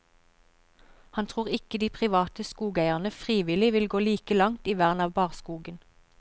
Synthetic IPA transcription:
hɑnt̪ʰʁuːʁɪkəd̪iːpʰʁɪʋɑːt̪əskuːɡæɪəʁnəfʁiːʋɪlɪʋɪlɡoːliːkəlɑŋt̪iːʋæːʁnɑːʋbɑːʁskuːɡən

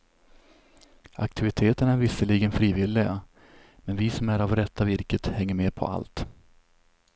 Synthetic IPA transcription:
ʔa̰k̚t̪ʰɪvɪt̪ʰeːt̪əɳæɾvɪsːəliːɡənfɾiːvɪlːɪɡa | mɛnvɪsɔmæɾavɾɛt̪ʰːavɪɾkət̪hɛŋːəɾmeːpʰɔ̰a̰lt̪

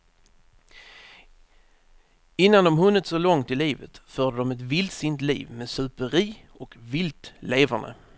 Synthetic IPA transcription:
ɪnːand̪ɔmɦɵnːət̪sɔlɔŋt̪ɪliːvə̰t̪fœːɖ̪əd̪ɔmɛt̪vɪlt̪sɪnt̪lḭːvmeːsɵpəɾiː | ɔkvɪlt̪leːvaɳd̪ə̰

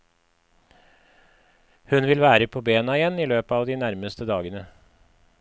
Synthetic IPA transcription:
hʉnʋɪlʋæːɾəpʰoːbeːnɑɪjɛniːløːpəɑːʋd̪iːnæɾməst̪əd̪ɑːɡənə

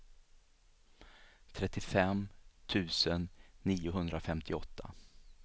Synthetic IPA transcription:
t̪ʰɾɛt̪ːɪfɛmt̪ʰʉ̟ːsənːiːʊɦɵnd̪ɾafɛmt̪ʰɪɔt̪ʰːa̰

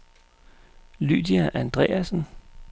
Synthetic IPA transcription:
ly̰ːd̥iæʔænd̥ʁɛ̰ːæsn̩

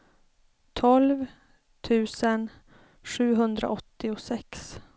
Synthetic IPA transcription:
t̪ʰɔlv | t̪ʰʉ̟ːsən | ɧʉ̟ːɦɵnd̪ɾa̰ʔɔt̪ːɪʊsɛks

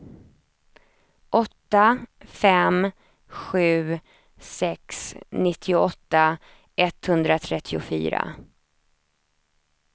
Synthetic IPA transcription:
ʔɔt̪ːafɛm | ɧʉ̟ː | sɛksnɪt̪ʰːɪʊɔt̪ːa | ʔɛt̪ːhɵnd̪ɾat̪ʰɾɛt̪ʰːɪʊfy̰ːɾa̰

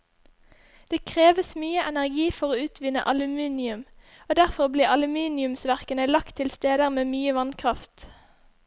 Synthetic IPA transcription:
d̪̥eːkʰʁeːʋəsmyːəʔɛnæʁɡiːfɔʁoːʉːt̪ʰʋɪnə̰ʔɑlʉmiːnɪʉm | oːd̪æʁfɔʁbliːɑlʉmiːnɪʉmsʋæʁkənəlɑkt̪ʰɪlst̪eːd̪əʁmeːmyːəʋɑnkʰʁɑft̪

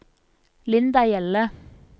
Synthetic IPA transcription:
lɪnd̪ɑjɛlə

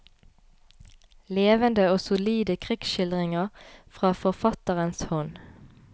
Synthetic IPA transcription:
leːʋənd̪əoːsʊliːd̪əkʰʁɪksʃɪld̪ʁɪŋəʁfʁɑːfɔʁfɑt̪əʁənshɔn

